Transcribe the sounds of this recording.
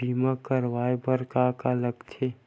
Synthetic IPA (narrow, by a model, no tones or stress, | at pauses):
iːmakəɾʋaːebəɾkakaləɡt̪ʰe